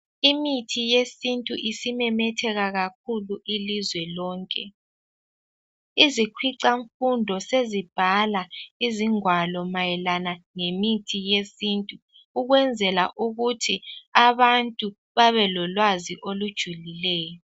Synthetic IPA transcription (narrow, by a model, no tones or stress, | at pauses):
imitʰijesintʼuʔisimɛmɛtʰɛɣaɣak̚ʰuluʔilizwɛlɔːŋkʼɛ | izikʰwiǀaɱfundʱɔsezib̥ʱalaiziŋwalɔmajɛlanaŋemitʰijesintʼuː | ɣwɛnd͡zʱɛla̰ʔuɣutʰiaβantʼu | βaβɛlɔlwaziʔolud̥ʒ̥ʱulilɛːjɔ